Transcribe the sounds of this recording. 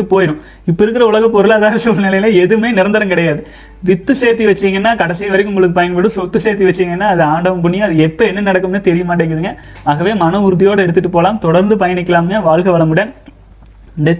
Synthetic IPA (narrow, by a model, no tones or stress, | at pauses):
ɯpoːjɪɾɯ̃ | ɪpːɐɪɾɯkːɪɾɐʊɭɐɣɐpːɔɾɯlːðaːɾɐsulɐnɪlɐjɪlɐɛðɯmeːnɪɾɐnd̪ɐɾɐmkɪɽɐjaːðɯ | ʋɪt̪ːɯseːt̪ːiʋɐt͡ʃːɪiŋɡɐɛnːaːkɐɽɐsɪjɐʋɐɾɐɪkːɯ̃ʊŋɡɐɭɯk̬ːɯpɐjɐnpɐɽɯ̃sɔt̪ːɯseːɾt̪ːiʋɐt͡ʃːɪiŋɡɐnːaːɐðɯaːɳɖɐʋɐmbʊɳːɪjaːɐðɯɛpːɐɛnːɐnɐɽɐkːɯmnːɯt̪ɛɾɪjɐmaːʈːeːŋɡɪɐðɯŋɡɐ | aːɣɐʋeːmɐnɐʊɾɯðɪjoːɽɐɛɽɯt̪ːɯʈːɯpoːlaːmt̪ɔɽɐɾnd̪ɯpɐjɐnɪkːɐlaːmnaʋaːɭɣɐʋɐɭɐmʊɽɪjɐːn | nd̪ɐ